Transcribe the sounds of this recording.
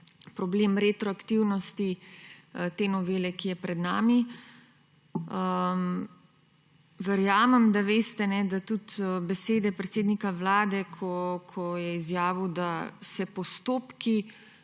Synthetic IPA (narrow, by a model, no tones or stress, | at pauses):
pɾɔbleːmɾet̪ɾɔakt̪iwnɔst̪i | t̪eːnɔʋeːlɛkijɛpɾɛd̪naːmi | əm | ʋɛɾjaːmɛmd̪aʋeːst̪ɛnɛd̪at̪ut̪bɛseːd̪ɛpɾɛt̪seːd̪nikaʋlaːd̪ɛkʰɔkʰɔjɛizjaːʋid̪asɛpɔst̪oːpki